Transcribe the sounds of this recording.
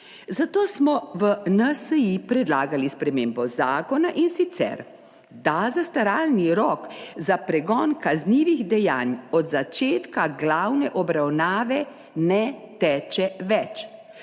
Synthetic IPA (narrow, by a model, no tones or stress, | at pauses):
zat̪oːsmɔʋənəsəipɾɛd̪laːɡalispɾɛmeːmbɔzaːkɔnaʔinsit̪sɛ̰ɾ | d̪azast̪aɾaːlniɾɔkzapɾɛɡɔːnkazniːʋiɣd̪ɛjaːnɔd̪zat͡ʃeːt̪kaɡlawnɛʔɔbɾawnaːʋɛ | nɛt̪ɛːt͡ʃɛʋɛt͡ʃ